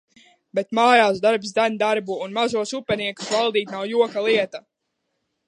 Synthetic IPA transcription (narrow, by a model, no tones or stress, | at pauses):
bet̪maːjaːsd̪aɾbsd̪anʲd̪aɾbuːnmazuɔsupʲɛniɛku̥svalˠd̪iːt̪nawjuɔkalˠiɛt̪a